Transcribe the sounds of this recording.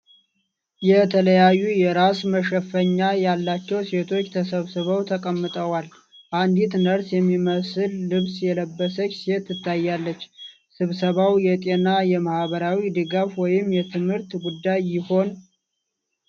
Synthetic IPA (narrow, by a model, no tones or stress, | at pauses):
jɛt̪ʰələjajːujɛɾasməʃəfəɲːajalːat͡ʃːɛwse̞t̪ʰo̞t͡ʃːt̪ʰəsəβsɨβəwt̪ʰəkʼəmːɨt̪ʼəwal | ʔand̪it̪nəɾsjɛmːiməsɨlːɨβsjɛləbːəsət͡ʃːse̞t̪ːɨt̪ːajːalːət͡ʃː | sɨβsəβawjɛt̪ʼe̞najɛmahβəɾawid̪ɨɡafwɔjɪmjɛt̪ʰɨmhɨɾt̪ɡud̪ːajːɪho̞n